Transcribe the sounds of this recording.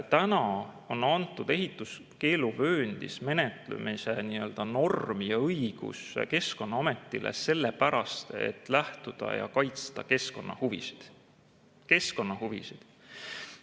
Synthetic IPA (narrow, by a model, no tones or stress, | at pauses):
t̪ænɑ | o̞nɑnt̪ːˑud̪̥e̞ɦit̪ːˑus | ke̞ːluvø̞ːnd̪̥isme̞net̪lṵmiseniːø̞ld̪̥ɑno̞rmijɑɤjɡ̥ṵske̞sko̞nːɑɑmet̪ːˑilʔḛse̞lːepæɾɑst̪e̞̰t̪ːˑlæht̪ud̪̥ɑ̰jɑ̰kɑjt̪st̪ɑkeskonːɑhuvḭsi̥d̪̥ | ke̞sko̞nːɑhuvḭsid̪̥